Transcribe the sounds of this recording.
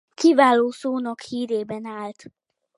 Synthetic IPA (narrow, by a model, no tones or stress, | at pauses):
kivaːloːsoːnɒkhiːɾeːbɛnaːlt̪